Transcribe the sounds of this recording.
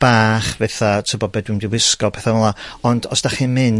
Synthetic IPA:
b̥aːχvɛθatʰɪbɔbɛːdwɪmdiwɪskɔpʰɛθanɔlˠaɔndɔsd̥aχimɨn

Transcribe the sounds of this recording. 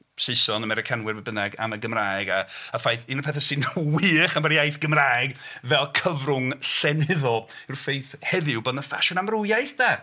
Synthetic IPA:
sesɔnəmɛɾɪkʰanwɪrvɛbənɛɡa̰məɡəmraːɪɡaəfajθinəpʰɛθɛsɨnwiːχaməɾijajθɡ̥əmraɛɡvɛlˠkʰəvrʊŋɬɛnɪðɔɪrfejθhɛðɪwboːdnəfa̰ʃɔnamrʊjajθd̥a

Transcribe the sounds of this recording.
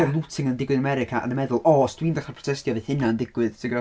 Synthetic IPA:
rlˠutʰɪŋəndɪɡwɨðnamɛɾɪkʰaʔə̰nəmɛðʊlˠɔsd̥wiːndaχarpʰrɔ̥tʰɛstjɔveθhɪnaəndɪɡ̥wɨðtʰɪɡɔ

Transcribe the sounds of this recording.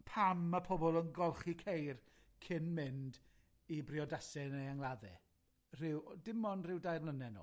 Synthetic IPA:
pʰamːapʰɔbɔlˠənɡɔlˠχikʰejr | kʰɪnmɪnd | ibrɪɔdasɛnejaŋlˠaðɛ̰ | r̥ɪwdɪmɔnrɪwdajrlˠənɛno̰

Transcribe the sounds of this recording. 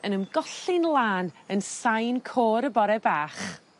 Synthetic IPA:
ənəmɡ̥ɔɬɪnlˠaːnənsajnkʰoːɾəbɔɾɛbaːχ

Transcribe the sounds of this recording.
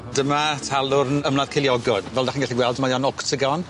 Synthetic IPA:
d̥əmatʰalˠʊrnəmlað̥kʰeljɔɡɔd̥vɛlˠdaχiːnɡɛɬiɡwɛlˠdəmajɔnɔktʰəɡɔn

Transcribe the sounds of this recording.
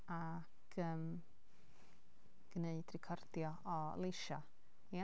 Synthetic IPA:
a | kʰəːm | ɡ̥neɨd̥rɪkʰɔrd̥jɔ | ɔ̰lˠɪʃa | ja

